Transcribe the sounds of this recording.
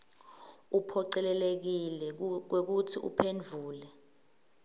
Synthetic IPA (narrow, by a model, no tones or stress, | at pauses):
upʰɔǀɛlɛlek̬ilɛk̬wek̬utʰiʔṵpʰend͡ɮʱuːlɛ